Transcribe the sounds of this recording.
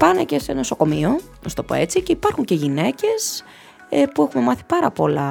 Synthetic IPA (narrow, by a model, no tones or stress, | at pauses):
pɐne̞ce̞seno̞so̞ko̞mio̞ | nost̪o̞po̞̰e̞t͡sice̞ipɐɾxuɲce̞ʝine̞ce̞s | epuexume̞mɐθi̥pɐɾɐpo̞lɐ